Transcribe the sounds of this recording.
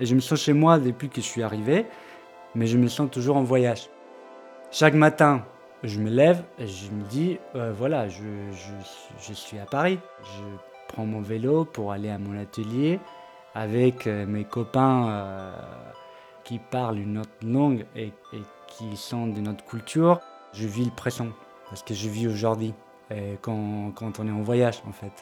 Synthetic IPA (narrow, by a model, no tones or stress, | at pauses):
eʒəməsɑ̃ʃemwad̪epɥikəəsɥiaʁive | mɛʒəməsɑ̃t̪uʒuʁɑ̃vwajaʒ | ʃakmat̪ɛ̃ | ʒəməlɛveʒəməd̪iøvwalaʒəʒəsiʒəsɥiapaʁi | ʒə | pχɑ̃mɔ̃velopuʁaleamɔ̃nat̪əlje | avɛkʰømekɔpɛ̃ø | kʲipaʁlynːɔt̪lɔ̃ɡe | e | kʲʰisɑ̃d̪ənɔt̪kʲylt̪ʰyʁ | ʒəviləpχesɑ̃ | paʁsə̥kəʒəvioʒuʁd̪ɥi | əkɑ̃kɑ̃t̪ɔ̃nɛɑ̃vwajaʒɑ̰̃fɛt̪